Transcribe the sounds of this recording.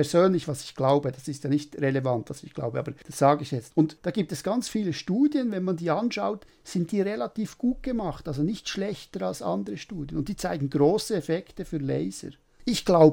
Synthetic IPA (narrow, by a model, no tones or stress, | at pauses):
ɛɐzøːnlɪçvɑsɪ̥çɡ̥laʊbəd̥ɑsɪstjaːnɪçtʁelevantvasɪçɡ̥la̰ʊbəʔaːbəɾd̥asz̥aːɡəɪçjɛt͡stʊntd̥aːɡiːp̚tɛsɡ̥ant͡sfiːləʃtuːdjənvɛnmandiːɑnʃaʊt | sɪnt̚d̥iːʁelatiːfɡ̥uːt̚ɡ̥əmɑχtʔalzonɪçtʃlɛçtəɾalsʔɑ̰ndəʁəʃtuːdjənʊnt̚d̥iːt͡saɪɡŋ̩ɡʁoːsəɛfɛktəfyːlɛɪzə̰ɾ | ɪçɡ̥laʊ